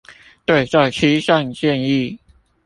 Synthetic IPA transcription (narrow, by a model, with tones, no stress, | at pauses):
t̪we˥˩ɪt͡sa˥˩ɪt͡ɕʰi˥˩ɕjɑ˥˧ŋt͡ɕjɛ˥˧ni˥˩